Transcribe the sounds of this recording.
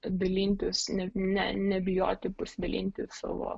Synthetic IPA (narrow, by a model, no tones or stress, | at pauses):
d̪ʲɐlʲiːnʲt̪ʲɪsnʲɛnʲɛ̰nʲɛbʲɪjo̰ːt̪ʲɪpʊsʲd̪ɐlʲḭːnʲt̪ʲɪsɑ̰ːʋo̰ː